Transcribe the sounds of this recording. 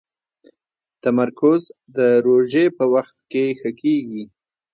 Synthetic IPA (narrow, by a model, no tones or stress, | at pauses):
t̪amaɾkʊzd̪əɾoʒepəwaxt̪kexəkeɡi